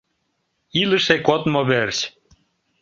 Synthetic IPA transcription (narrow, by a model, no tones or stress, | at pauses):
iləʃekot̪moβert͡ɕ